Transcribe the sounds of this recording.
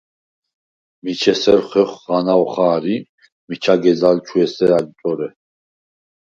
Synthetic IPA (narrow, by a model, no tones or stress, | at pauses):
mit͡ʃʰɛsɛɾχɛχʁanawχaːɾi | mit͡ʃʰaɡɛd͡zalt͡ʃʰuɛsɛɾaɡt̪ʼɔɾɛ